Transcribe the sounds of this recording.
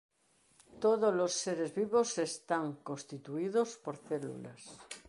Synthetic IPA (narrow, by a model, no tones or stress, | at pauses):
t̪oðozlosːeɾezβiβosest̪aŋkonst̪it̪uiðospoɾθelṵlas